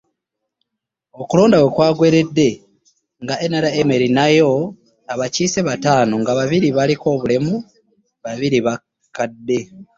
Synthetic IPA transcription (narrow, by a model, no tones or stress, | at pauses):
o̞kulo̞ːndawekwaːɡwe̞ːɾe̞dːe̞ | ŋɡaʔenaɾaeme̞ɾinajo̞ | aβaciːse̞βataːnoŋɡaβaβiɾiβaliko̞ːβule̞mu | βaβiɾiβa | kadːe̞